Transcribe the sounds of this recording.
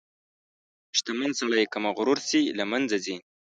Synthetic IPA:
ʃt̪amansaɭajkamaɣʊɾʊɾsilamand͡zazi

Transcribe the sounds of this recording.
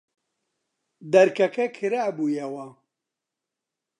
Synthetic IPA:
d̪ɐɾkʰɐkʰɐkʰɨɾaːbuːjɛwɐ

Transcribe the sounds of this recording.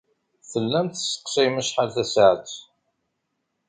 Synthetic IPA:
θəlːæmt̪sə̥qsiməʃħalθæsəʕ

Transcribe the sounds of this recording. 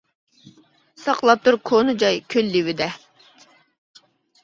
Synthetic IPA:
sɑqlˠɑp̚t̪ʰɨɾkʰonɨd͡ʒɑjkʲʰølːiwɪd̪ɛ

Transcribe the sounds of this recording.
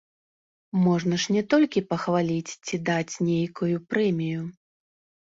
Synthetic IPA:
mɔʐn̪ɐʂnʲɛt̪ɔlʲkʲipɐxvalʲit͡sʲt͡sʲid̪at͡sʲnʲejkujupɾɛmʲiju

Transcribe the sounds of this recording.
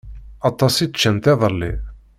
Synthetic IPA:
ɑt̪ˤːɑsi̥t͡ʃːənt̪æðˤəlːḭ

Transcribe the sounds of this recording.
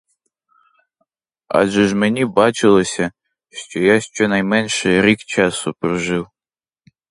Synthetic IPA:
a̰ʒɛʒmɛnʲibɑt͡ʃɪlˠɔsʲɐ | ʃt͡ʃɔjaʃt͡ʃɔnɐjmɛnʲʃɛɾʲikt͡ʃasʊpɾɔʒɪw

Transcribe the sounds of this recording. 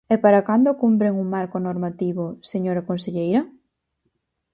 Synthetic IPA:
ɛpaɾakand̪okumpɾeŋuŋmaɾkonoɾmat̪iβoseɲoɾakonseʎejɾɐ

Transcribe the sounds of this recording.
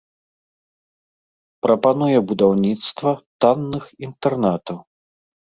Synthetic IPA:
pɾɐpanujɛbud̪awnʲit̪st̪vɐt̪anːɨxint̪ɛrnat̪ɐw

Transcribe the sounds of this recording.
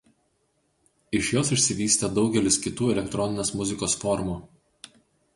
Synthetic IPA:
ɪʃjoːsɪʃʲsʲɪʋʲiːsʲt̪ʲɛd̪ɒʊɡʲɛlʲɪskʲɪt̪uːɛlʲɛkt̪ɾɔnʲɪnʲeːsmʊzʲɪkoːsfɔɾmuː

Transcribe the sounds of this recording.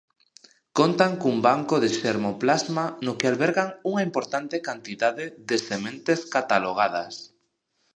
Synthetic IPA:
kont̪aŋkumbaŋkoðeʃeɾmoplazmanokealβeɾɣaŋuŋaimpoɾt̪ant̪ekant̪iðaðeðesemẽnt̪eskat̪aloɣ̞að̞as

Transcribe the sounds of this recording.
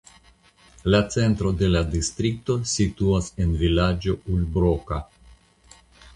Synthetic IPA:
lat͡se̞ntɾo̞de̞ladistɾikto̞situase̞nvilad͡ʒo̞ulbɾoka

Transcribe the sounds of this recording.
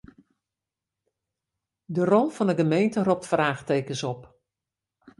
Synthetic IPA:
dərɔlˠv̥ɑndəɡəmejntərɔp̚tfraːχtejkəsɔp

